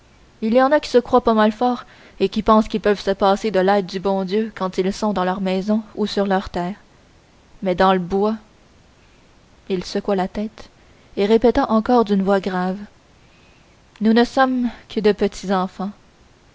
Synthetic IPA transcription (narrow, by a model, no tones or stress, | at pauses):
iljɑ̃nakʲi̥səkχwapamalfɔːʁ | ekʲipɑ̃skʲipœv̥səpaːsed̪əlɛːd̪̚d̪ybɔ̃d̪jøkɑ̃t̪ilsɔ̃d̪ɑ̃lœʁmɛzɔ̃usyʁlœʁt̪ɛːʁ | mɛd̪ɑ̃ləbwa | ilsəkwalat̪ɛːt̪ | eʁepet̪aʔɑ̃kɔːʁd̪ynvwaɡʁav | nunəsɔmkʰəd̪əpət̪ʰizɑ̃fɑ̃